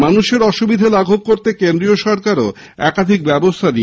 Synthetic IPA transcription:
manuʃeɾɔʃubid̪ʱalaɡʱob̚koɾt̪ekend̪ɾioʃɔɾkaɾo | ɛkad̪ʱik̚bɛbost̪ʰaɾi

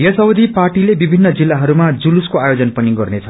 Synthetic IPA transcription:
jʌsʌwd̪ʱiparʈilebibʱinːʌd͡zilːaɦʌɾumad͡zuluskoajod͡zʌnpʌniɡʌrnet͡sʰʌ

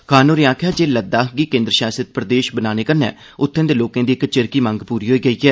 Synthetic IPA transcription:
kʰaːnoːɾiãːkʰjaːd͡ʒeːləd̪aːɡiːkẽːnd̪ɾəʃaːsət̪̚pɾəd̪eːʃbənaːneːkəɾnɛ̰ː | ʊt̪ʰːẽːd̪eːloːkãːd̪iːɪkt͡ʃɪɾkiːmə̃ŋɡpuːɾiːɦoːiːɡəiːɦɛː

